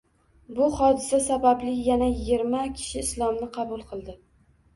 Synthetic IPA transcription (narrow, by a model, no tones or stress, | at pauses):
bʊhɒd̪ɪsasabablɪjanajɪɡʲɪɾmakʲʰɪ̥ʃɪːslˠɒmnɪqʰɑbʊlˠqʰɨlˠd̪ɪ